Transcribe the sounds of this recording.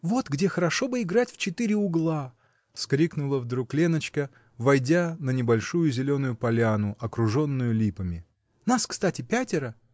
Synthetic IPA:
vo̞t̪ɡdʲexəɾɐʂobɨɪɡɾatʲft͡ɕɪt̪ɨɾʲɪʊɡlˠa | fskɾʲiknʊlˠəvd̪ɾuklʲe̞nət͡ɕkə | vɐjdʲanənʲɪbɐlʲʂujʊzʲɪlʲo̞nʊjʊpɐlʲanʊʔɐkɾʊʐo̞nːʊjʊlʲipəmʲɪ | naskst̪atʲɪpʲætʲɪɾə

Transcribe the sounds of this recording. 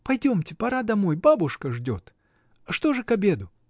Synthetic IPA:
pɐjdʲo̞mtʲɪpɐɾad̪ɐmo̞jbabʊʂkəʐdʲo̞t̪ | ʂt̪o̞ʐɨkɐbʲe̞d̪ʊ

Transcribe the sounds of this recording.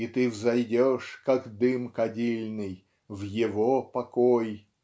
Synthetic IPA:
it̪ɨvzɐjdʲoʂkakd̪ɨmkɐdʲilʲnɨj | vjɪvopɐkoj

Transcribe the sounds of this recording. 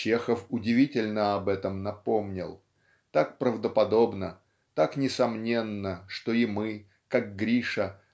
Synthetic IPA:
t͡ɕe̞xəfʊdʲɪvʲitʲɪlʲnəɐbɛt̪əmnɐpo̞mnʲɪ̰lˠ | t̪ak̚pɾəvd̪əpɐd̪o̞bnə | t̪aknʲɪsɐmnʲe̞nːəʂt̪o̞ɪmɨ | kak̚ɡɾʲiʂə

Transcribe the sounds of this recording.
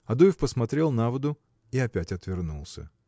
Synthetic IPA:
ɐd̪ujɪfpəsmɐt̪ɾʲe̞lˠnavəd̪ʊ | iɐpʲætʲɐt̪vʲɪrnṵlˠsʲə̰

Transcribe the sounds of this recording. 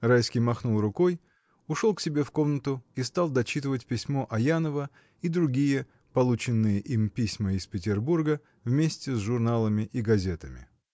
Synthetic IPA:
rajskʲijmɐxnulˠrʊkoj | ʊʂo̞lˠksʲɪbʲe̞fko̞mnət̪ʊist̪alˠd̪ɐt͡ɕit̪ɨvətʲpʲɪsʲmo̞ʔɐjanəvə | id̪ɾʊɡʲijə | pɐlˠut͡ɕɪnːɨjəʔimpʲisʲməɪspʲɪtʲɪrburɡə | vmʲesʲtʲɪsʐʊrnalˠəmʲɪʔiɡɐzʲe̞t̪əmʲɪ̰

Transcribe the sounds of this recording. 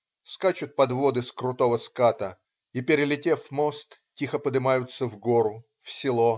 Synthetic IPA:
skat͡ɕʊt̪̚pɐd̪vo̞d̪ɨskɾʊt̪o̞vəskat̪ə | ipʲɪɾʲɪlʲɪtʲefmo̞st̪tʲixəpəd̪ɨmajʊt̪sːəvɡo̞ɾʊ | fsʲɪlˠo

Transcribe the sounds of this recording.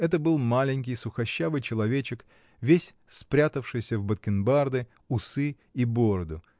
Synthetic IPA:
ɛt̪əbɨlˠmalʲɪnʲkʲɪjsʊxɐɕːavɨjt͡ɕɪlˠɐvʲet͡ɕɪk | vʲesʲ | spɾʲat̪əfʂɨjsʲəvbət̪̚kʲɪnbard̪ɨ | ʊsɨ | ibo̞ɾəd̪ʊ

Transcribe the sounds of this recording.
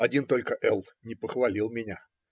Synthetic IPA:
ɐdʲint̪o̞lʲkəʔɛlˠ | nʲɪpəxvɐlʲilˠmʲɪnʲa

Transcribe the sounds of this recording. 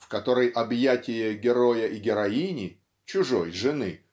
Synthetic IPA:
fkɐt̪o̞ɾəjʔɐbjatʲɪjəɡʲɪɾojəʔiɡʲɪɾɐinʲɪ | t͡ɕʊʐo̰jʐɨnɨ

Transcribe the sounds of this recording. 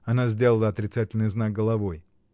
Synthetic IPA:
ɐnazʲdʲe̞lˠəlˠəɐt̪ɾʲɪt̪satʲɪlʲnɨjznaɡ̚ɡəlˠɐvo̞j

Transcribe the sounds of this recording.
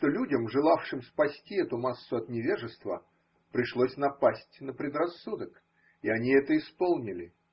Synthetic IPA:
ʂt̪olʲudʲəmʐɨlˠafʂɨmspɐsʲtʲiɛt̪ʊmasːʊɐt̪nʲɪvʲeʐɨst̪və̰ | pɾʲɪʂlˠosʲnɐpasʲtʲnəpɾʲɪd̪rɐsːud̪ək | ɪɐnʲiɛt̪əɪspolˠnʲɪlʲɪ

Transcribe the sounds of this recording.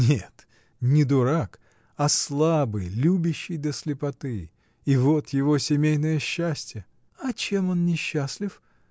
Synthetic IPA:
nʲet̪ | nʲɪd̪ʊɾak | ɐslˠabɨjlʲubʲɪɕːɪjd̪əsʲlʲɪpɐt̪ɨ | ivo̞t̪jɪvo̞sʲɪmʲejnəjəɕːæsʲtʲjə | ɐt͡ɕe̞mo̞nnʲɪɕːasʲlʲɪf

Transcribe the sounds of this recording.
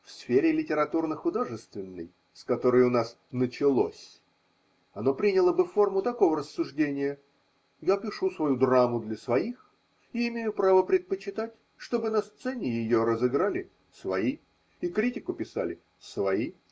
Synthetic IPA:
fsfʲeɾʲɪlʲɪtʲɪɾɐt̪urnəxʊd̪o̞ʐɨst̪vʲɪnːə̰j | skɐt̪o̞ɾəjʊnas | nət͡ɕɪlˠo̞̰sʲ | ɐno̞pɾʲinʲɪlˠəbɨfo̞rmʊt̪ɐko̞vəɾəsːʊʐdʲenʲɪjə | japʲɪʂusvɐjud̪ramʊd̪lʲɐsvɐix | iɪmʲejʊpɾavəpɾʲɪt̪̚pət͡ɕɪt̪atʲ | ʂt̪o̞bɨnɐst̪sɛnʲɪjɪjo̞ɾəzɨɡɾalʲɪ | svɐi | ikɾʲitʲɪkʊpʲɪsa̰lʲɪ | svɐi

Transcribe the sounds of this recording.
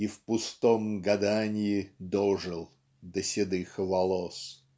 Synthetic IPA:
ifpʊst̪omɡɐd̪anʲɪjɪd̪oʐɨlˠ | d̪əsʲɪd̪ɨxəvɐlˠos

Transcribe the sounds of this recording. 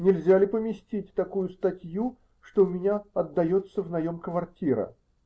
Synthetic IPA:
nʲɪlʲzʲalʲɪpəmʲɪsʲtʲit̚ʲt̪ɐkujʊst̪ɐtʲju | ʂt̪oʊmʲɪnʲaɐd̪ːɐjo̞t̪səvnɐjo̞mkvɐrtʲiɾə̰

